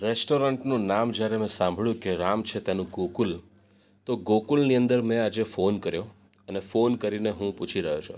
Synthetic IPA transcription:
ɾesʈoɾəɳʈnũnamd͡ʒjaɾemɛ̃sãmbʱɭjũkeɾamt͡ʃʰet̪janũɡokul | t̪oɡokulniənd̪əɾmɛ̃ad͡ʒefonkəɾjõ | ənefonkəɾineɦũput͡ʃʰiɾəɦjot͡ʃʰo̰

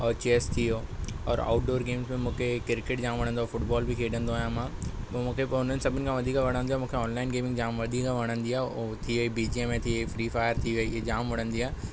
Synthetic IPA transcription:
ɔːɾt͡ɕeːst̪ʰijoːɔːɾa̰ːʊʈɖoːɾɡeːmsmẽmũːkʰekɪɾkeːʈ̚d͡ʑãːmʋɐɽ̃ə̃nd̪oːfʊʈbɔːlbɪkʰeːɗə̃nd̪oaːjãmãː | pːmũːkʰepʊn̤ənɪ̆sɐbʱʊnɪkʰãʋɐd̪ʱiːkaʋɐɽ̃ə̃nd̪ioaːmũːkʰeɔːnlaːɪnɡeːmɪ̃ŋɡd͡ʑaːmʋɐd̪ʱiːkaʋɐɽ̃ə̃nd̪iaːɦt̪ʰiʋɐibiːd͡ʑiemẽt̪ʰiʋeifɾiːfaːɪəɾt̪ʰiʋɐid͡ʑaːmʋɐɽ̤̃ə̃nd̪iaːe

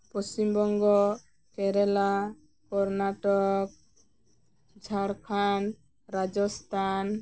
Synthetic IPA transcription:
pɔst͡ʃimbɔŋɡɔ | kɛɾɛla | kɔɾnaʈɔk̚ | d͡ʒʱaɾkʰan | ɾad͡ʒɔst̪ʰan

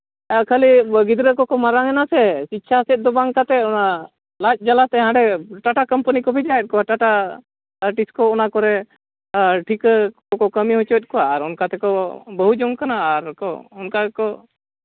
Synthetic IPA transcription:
kʰəliɡid̪ɾəkɔkɔmaɾaŋɛnasɛsit̪ːʃʰasɛt̪̚ˀd̪ɔbaŋkat̪ɛuna | lac̚ˀd͡ʒalat̪ɛɦãɖɛʈaʈakəmpənikɔbʱid͡ʒaɛt̪̚kɔaʈaʈa | ʈiskɔɔnakɔɾɛ | ʈʰikkɔkɔkəmiɦɔt͡ʃət̪̚kɔwaːɾunkat̪ɛkɔbəɦud͡ʒɔŋkanaːɾkɔ̰unkakɔ

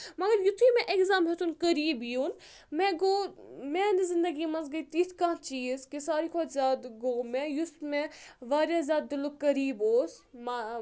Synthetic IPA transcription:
mɐɡɐɾjʊt̪ʰiːmɛ̃ʔekzaːmɦet̪unkɐɾiːbijuːn | mɛ̃ɡoːmẽːnizɪnd̪ɐɡimɐnzɡɐit̪iːt̪ʰkãːt͡ʃiːzkisaːɾikʰot͡ʃʰzʲaːd̪ɡoːmɛ̃jusmẽʋaːɾʲjaːzʲaːd̪̚d̪ɪlokɐɾiːboːsma

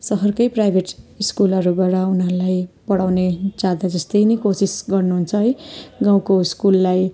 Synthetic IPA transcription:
sʌɦʌrkʌjprajbʱeʈiskulʌɾubaɽʌunɦʌɾulajpʌɽawned͡zad̪ad͡zʌst̪ʌjnʌjkosisɡʌrnuɦunt͡sʰʌɦʌjɡaw̃koiskulːaj

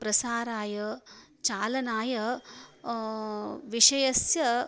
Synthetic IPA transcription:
pɾɐsaːɾaːjɐ | t͡ʃaːlɐnaːjɐ | ʋiʂɐjɐsjɐ

